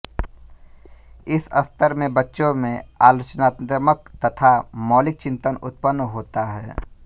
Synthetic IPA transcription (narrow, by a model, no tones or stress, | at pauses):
ɪsɐst̪ʰəɾmẽbɐtːʃõmẽaːloːt͡ʃnaːt̪mək̚t̪ɐt̪ʰamɔːlɪk̚t͡ʃɪ̃nt̪ənʊt̪̚pənːɦoːt̪aɦɛː